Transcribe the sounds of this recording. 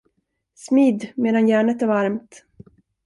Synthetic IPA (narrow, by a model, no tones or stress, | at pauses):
smiːd̪meːd̪anjæːɳət̪æɾvaɾmt̪